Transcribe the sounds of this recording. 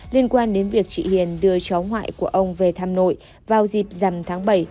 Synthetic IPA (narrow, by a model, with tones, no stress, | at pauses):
li˧ənkwaː˧nɗe˨˦nvi˨˩ək̚t͡ɕḭ˧˨hḭ˧˨ənɗɨ˧ət͡ɕɔ˨˦wɦwa̰ː˧˨jku˧˩əʔə˧wŋ͡mve˨˩t̪ʰaː˧mno̰˧˨j | vaː˨˩wzi˨˩p̚za˨˩mt̪ʰaː˨˦ŋɓə˧˩j